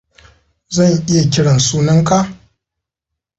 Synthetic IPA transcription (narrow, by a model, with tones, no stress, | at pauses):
zɐ˦˨ɲʔɪ˦ja˨kʲɪ˦ɽɐ˨nsuː˦nɐ˦ŋka˦ʔ